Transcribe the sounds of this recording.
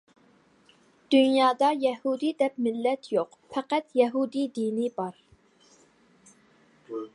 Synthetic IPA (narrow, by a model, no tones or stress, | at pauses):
d̪̥ynjɑːd̪ɑjɛhud̪id̪ɛp̚mɪlːɛt̪ʰjoq | fʰɛqæt̪jɛɦud̪id̪inibɑɾ